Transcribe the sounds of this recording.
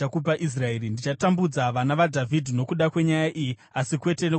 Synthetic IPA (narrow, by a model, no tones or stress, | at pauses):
akup̬aʔis̬raeːɾindit͡ʃatambud͡zaʋanaʋadʱavʱidʱino̞kuɗakwe̞ɲajaʔiji | asikwe̞te̞no